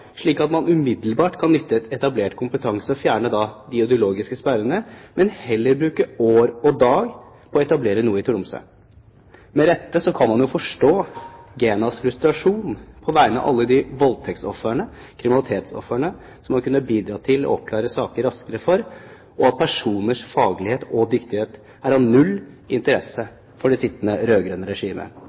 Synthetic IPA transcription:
ʂɭiːkɑt̪mɑnʉmɪd̪l̩bɑːʈkʰɑnːʏt̪ʰːəɛt̪ɛt̪ɑbleːʈkʰʊmpət̪ʰɑŋsəɔfjæːɳəd̪ɑd̪ɪʊd̪ɪʊloːɡɪskəspæɾənəmɛnhɛlːəɾbɾʉːkəoːɾɔd̪ɑːɡ | pʰɔɔɛt̪ɑbleːɾənuːəɪt̪ʰʊɖʊmsœ̰ | mɛɾɛt̪ːəsɔkʰɑnmɑnjʊfɔʂʈoːɡeːnɑsfɾʉst̪ɾɑʂuːnpʰɔʋæɪənəɑ̰ʔɑ̰lːəd̪ɪʋɔlt̪ʰɛk̚t̪sɔ̰fəɳəkʰɾɪmɪnɑlɪt̪ʰeːt̪sɔ̰fəɳə | sɔmhɑɾkʉnːəbiːd̪ɾɑːt̪ʰɪlɔ̰ɔp̚kʰlɑːɾəsɑːkəɾːɑskəɾəfɔɾ | ʔɔɑt̪̚pʰæʂuːnəʂfɑːɡəlɪheːt̪ɔd̪ʏkt̪ɪheːt̪ | æɾɑʋnʉlː | ɪnt̪əɾɛsə | fɔɖɛsɪt̪ːənəɾøːɡɾœnəɾɛʂiːmə̰

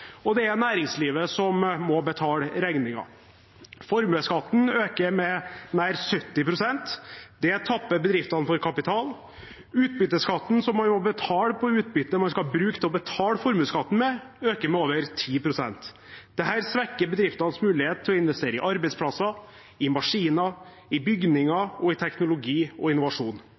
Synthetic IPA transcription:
ɔd̪ɛæɾnæːɾɪŋsliːʋəsɔmːɔbət̪ʰɑːlɾæŋnɪŋɑ̰ | fɔɾmʉːskɑt̪ːn̩øːkəɾmɛnæːɾsœt̪ːɪpʰɾʊsɛnt̪d̪̥ɛt̪ʰɑpːəɾbəd̪ɾɪft̪ɑnfɔɾkʰɑpɪt̪ʰɑːl | ʉːt̪̚bʏt̪ːəskɑt̪ːn̩sɔmːɑnmɔbət̪ʰɑːləpʰɔʉːt̪̚bʏt̪ːəmɑnskɑlbɾʉːkt̪ʰɪlɔbət̪ʰɑːlfɔɾmʉːskɑt̪n̩mɛ | øːkəɾmɛoːʋəɾt̪ʰiːpʰɾʊsɛ̰nt̪ | d̪̥ɛɦæːɾsʋækːəɾbəd̪ɾɪft̪ɑnsmʉːlɪheːt̪ʰːɪlɔɪnʋɛst̪eːɾəɪ̰ʔɑɾbɛɪspʰlɑsɑ | ɪmɑʂiːnɑ | ɪbʏɡnɪŋɑɔɪt̪ʰɛknʊlʊɡiːɔɪnːʊʋɑʂuːn

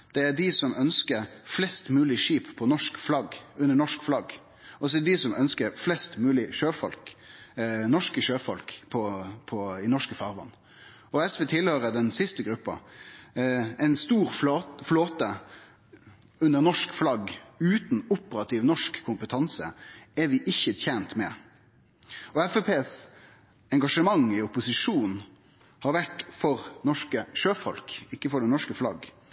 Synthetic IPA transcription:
d̪̥ɛæd̪ɪsɔmʔœnskəɾflɛst̪mʉːlɪʂiːppʰːɔnɔʂkflɑɡʉnːəɳɔʂkflɑɡ | ɔs̬ɔd̪ɪsɔmʔœnskəɾflɛst̪mʉːlɪʃøːfɔ̰lk | nɔʂkəʃøːfɔlkpʰɔpʰɔɪnɔʂkəfɑʁʋɑ̰nː | ɔɛsʋɛt̪ʰɪlhøːɾəd̪ɛnsɪst̪əɡɾʉpːɑ̰ | ɛɪnst̪uːʁffloːt̪ə | ʉnəʁnɔʂkflɑɡʉːt̪nʊpəɾɑt̪ʰɪʋnɔʂkʰːʊmpət̪ʰɑnsə̰ɛɾʋɪʔɪçːət̪ʰɛːnt̪mɛ̰ | ɔɛfɛpʰeːs | ɛŋɡɑʂəmɑŋɪʊpʊsɪʂuːn | hɑɾʋæʈfɔʁnɔʂkəʃøːfɔ̰lkɪkːəfɔʁd̪ɛnnɔʂkəflɑ̰ɡ

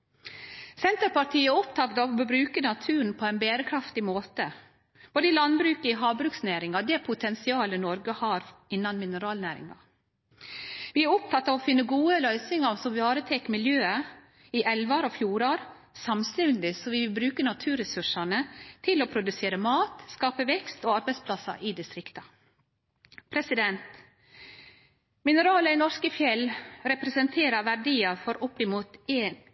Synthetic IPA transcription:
sɛnt̪əɾpɑʈʰiːəɔpt̪ʰɑt̪ɑʋɔbɾʉːkənɑt̪ʰʉːnpʰɔɛɪnbeːɾəkʰɾɑft̪ɪmoːt̪ə | b̥oːd̪əɪlɑnbɾʉːkəiɦɑːbɾʉːksnæːɾɪŋɑd̪ɛpʰʊt̪ʰɛnsɪɑːlənɔɾɡəhɑːɾɪnːɑnmɪnəɾɑːlnæːɾɪ̰ŋɑ̰ | ʋɪːæɾɔp̚t̪ʰɑt̪ːɑːʋɔfɪnːəɡuːəlœʏsɪŋɑsɔmʋɑːɾət̪ʰɛkmɪljøːə | iʔɛlʋɑɾofjuːɾɑːɾ | sɑmst̪ɛnnd̪ɪsɔʋɪʋbɾʉːkənɑt̪ʰʉːɾɛsʉʂɑnət̪ʰɪloːpʰɾʊd̪ʉseːɾəmɑːt̪skɑːpəʋɛkst̪oːɑɾbɛɪspʰlɑsɑ̰ʔid̪ɪst̪ɾɪkt̪ɑ | pʰɾɛsɪd̪ɛnt̪ | mɪnəɾɑːləɪnɔskəfjɛlɾɛpɾɛsənt̪ʰeːɾɑɾʋæɖiːɑɾfɔɾʔʊpːɪmuːt̪eːn

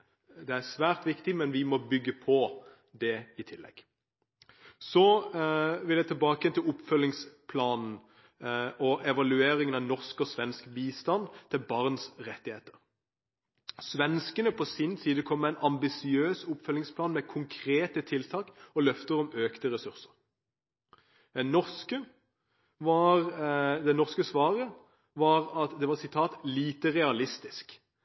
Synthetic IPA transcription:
d̪ɛæʁsʋæːʁt̪ʋɪkt̪ɪmɛnʋɪmɔbʏɡːəpʰɔ | d̪ɛɪt̪ʰɪlːɛ̰ɡ̥ | sɔ | ʋɪld̪ɛɪt̪ʰɪlbɑːkəjɛnt̪ʰɪlʊpːfœlːɪŋspʰlɑːnn̩ | ɔʔɛʋɑlʉeːɾɪŋənɑʋnɔʁskɔsʋɛnskbiːst̪ɑnt̪ʰɪlbɑʁnsʁɛt̪ːɪheːt̪ə̥ɾ | sʋɛnskənəpʰɔsɪnsiːd̪əkʰɔmːɛæɪnʔɑmbɪsɪøːsʊpfœlːɪŋspʰlɑːnmɛkʰʊŋkʰʁeːt̪ət̪ʰɪlt̪ʰɑːkɔlœft̪əɾɔmøːkt̪əʁɛsʉʁsə̥ʁ | ɛnɔʁskə | ʋɑʁd̪ɛnɔʁskəsʋɑːʁə | ʋɑʁɑt̪d̪ɛʋɑːʁsɪt̪ʰɑːt̪liːt̪əʁɛɑlɪst̪ɪsk

